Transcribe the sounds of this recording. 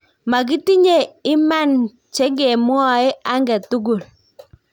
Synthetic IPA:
ma˨k̬i˦ti˦ɲe˨ɪ˦ma˦n | t͡ʃe˦ɡe˨m˦ɔ˦˨e˦a˦ŋɡɛ˨tu˦ɡu˨l

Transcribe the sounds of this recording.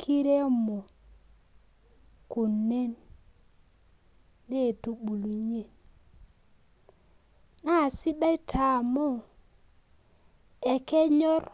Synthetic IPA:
kʰi˦ɾe˦mo˨ | ku˨ne˦n | e˦˨tu˦bu˨lu˨ɲe˨n | na˦˨si˦da˦i˦tʰa˨mo˦˨ | ɛ˨kɛ˦ɲɔ˦r

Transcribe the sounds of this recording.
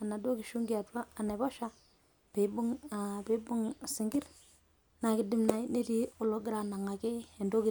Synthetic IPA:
a˨na˨do˦kɪ˨ʃu˦ŋɡi˦a˨twaː˦˨ne˨bɔ˦ʃa˦ | pɪ˨bʊ˦ŋ˨pɪ˦bʊ˦ŋsɪ˨ŋɡɪ˦ɾ | na˨kɪ˦dɪ˦mna˨jne˦ti˦ʊ˨lo˦ɡɪ˦ɾa˨na˨ŋa˨kɪ˦e˨ndo˦kɪ˦

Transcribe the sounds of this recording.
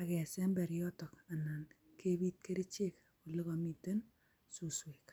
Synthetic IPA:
a˨kɛ˨sɛ˦mbɛ˨ɾjɔ˦tɔ˨ka˨na˨n | ke˦bi˦t̚ke˦ɾi˦t͡ʃe˦k | ku˨le˦ko˨mi˨te˦n | su˨swe˨k

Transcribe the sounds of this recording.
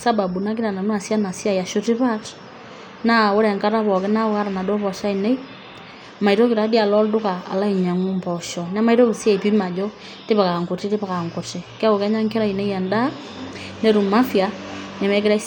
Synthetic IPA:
sa˦ba˨bu˨na˦k̬i˦ɾa˨na˨nu˦a˨sja˦na˨sja˦˨ja˨ʃo˦ti˦pa˦t | na˦˨o˦ɾɛ˨ŋka˦ɾa˦βɔ˨ke˦na˦ka˦ɾa˨na˨do˦pɔ˨ʃa˦i˨ne˦i˦ | ma˨i˨ɾo˦ki˨ɾa˨˦di˦a˨lɔ˦ldʊ˦ka˨a̰˨la˦i˨ɲa˨ŋu˦mpɔ˨ʃɔ˨na˦ma˦i˦ɾo˦βu˨sja˦˨pi˦ma˨d͡ʒɔ˦ | te˦pa˨ka˨ŋko˨ti˦ti˦pa˨ka˨ŋko˨ti˨ka˦ko˨ka˦ɲa˦ŋke˦ɾa˦i˨ne˦i˦a˨nda˦ | ne˦ɾu˨ma˦fja˨na˨mɛ˦ki˦ɾa˦

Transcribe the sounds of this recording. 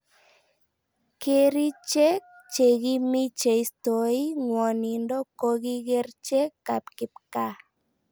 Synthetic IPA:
ke˦ɾi˦t͡ʃɛ˦k̚ | t͡ʃe˨ɣi˦mi˦t͡ʃe˨i˨sto˨i˦ŋwɔ˨ni˨ndɔ˦ko˦ɣi˦ɣe˦rt͡ʃɛ˦kːa˨pkɪ˨p̚ka˦

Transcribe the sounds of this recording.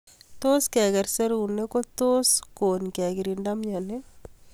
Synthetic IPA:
t̪o˦skɛ˨ɡɛ˨ɾse˦ɾu˨une˦ko˦t̪o˦skonkɛ˨ɡiɾinda˦mɲane˦

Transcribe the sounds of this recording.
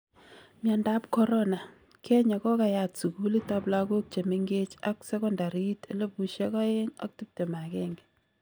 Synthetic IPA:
mja˨nda˦pkɔ˦ɾɔ˦na˨ | kɛ˦ɲa˨kɔ˦ka˨ja˨tsu˨ku˦li˦ta˦pla˦ɡo˦k̚t͡ʃe˨mi˦ŋɡe˦t͡ʃa̰˦ksɛ˦kɔ˦nda˨ɾi˦te˦lo˦pu˨ʃe˦kɔ˦je˦ŋa̰˦k̚ti˦p̚te˨ma˨kɛ˦ŋɡɛ

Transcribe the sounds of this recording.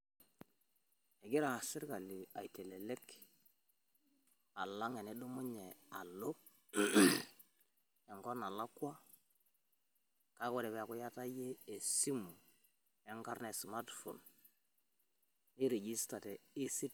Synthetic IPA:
ɛ˨ɡɪ˦ɾa˨a˨sɪ˦ɾka˨li˨a˨i˨te˨le˨le˦k | a˨la˦ŋɛ˨ne˨du˦mʊ˦ɲɛ˨a˨lo˦ | ɛ˨ŋɡɔ˦na˨la˦kwa˦ | ka˦kɔ˦˨ɾɛ˨βɛ˨a˨kʊ˦ja˦ta˦jeː˦˨si˦mu˨ | ɛ˦ŋɡa˦ɾnɛ˨smatfo̰˨n | i˦ɾe˨d͡ʒi˦sta˨tɛ˨i˦si˦t

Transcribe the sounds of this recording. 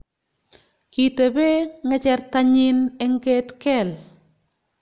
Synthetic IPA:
ki˨te˨bɛ˦ŋɛ˦t͡ʃɛ˨ɾta˦ɲɪ˦nɛ˦ŋɡe˦tkɛ˨l

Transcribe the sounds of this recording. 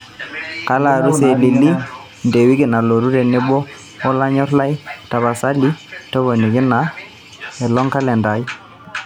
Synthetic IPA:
ka˦la˨ɾu˦se˨li˨li˦ | nde˨wi˦kɪ˨na˨lo˨ɾu˦ɾɛ˨nɪ˦ɓɔ˦ | ɔ˦la˦ɲɔ˦ɾla˦i˦ta˨βa˨sa˦li˦tɔ˦βɔ˨ni˨kɪ˦na˨ | ɛ˨lɔ˦ŋka˦lɛ˨nda˨i˦

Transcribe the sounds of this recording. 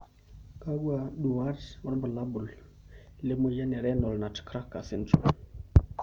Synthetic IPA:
ka˦ɡu˦a˨ɗu˨wa˦ɾtɾba˨la˦bʊ˨l | le˦mo˦ja˦nɛ˨ɾɛ˦nɔ˨lna˨tkɾa˦kːa̰˨sɪ˦n˦tṵ˨

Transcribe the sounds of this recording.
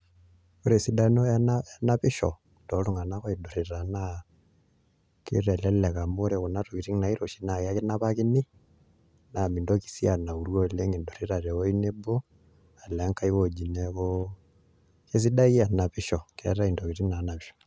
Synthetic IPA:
oɾe˨si˨da˦noanaja˦na˦pi˦ʃɔ̰˨ | ndɔ˨lu˦ŋɡa˨na˦ka˦idɔ˨ɾe˨ɾa˨na | kḛ˦ɾɛ˨lɛlɛ˨ka˨mo˦ɾɛ˨ku˨na˦to˨ki˨ti˦ŋna˨i˦ɾo˨ʃi˦na˨ka˦ke˦na˦βaki˦ni˦ | na˨mi˨ndɔki̥˨sia˨na˨u˨ɾwɔ˦le˦ŋe˨ndɔ˨ɾe˦ɾa˨ɾɛ˨wɔ˦i˦ne˦bo˦ | a˨lɛ˨˦ŋka˦i˦kod͡ʒi˨nɛko | ke˦s̬i˦da˦i˦a˨na˨pi˦ʃɔ˨kɛ̰ɾa˦i˨ndɔ˨ki˨ti˦ŋna˨˦na˨piʃɔ̥

